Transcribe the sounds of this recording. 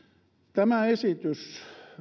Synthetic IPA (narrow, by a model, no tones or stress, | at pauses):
t̪æmæesit̪ys